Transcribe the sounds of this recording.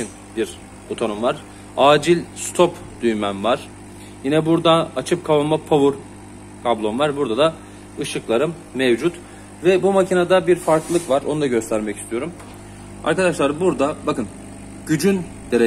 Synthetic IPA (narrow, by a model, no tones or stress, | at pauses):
in | biɾ | o̞t̪ʰo̞nomvaɾ̥ | aːd͡ʒilʲst̪ʰo̞p | d̪̥yjmænvaɾ̥ | jinɛbuɾd̪aːt͡ʃʰɯp̚kʰavanmapʰavuɾ | kʰablˠo̞mvaɾbuɾd̪ad̪a | ɯʃɯklˠaɾɯmːevd͡ʒut̪ | vɛbumacʰinad̪abiɾfaɾklˠɯkvaɾo̞nud̪aɟø̞st̪ʰæɾmɛci̥st̪ʰijo̞ɾum | a̰ɾkad̪aʃlˠaɾbuɾd̪abakɯn | ɟ̥yd͡ʒyn | d̪̥eɾ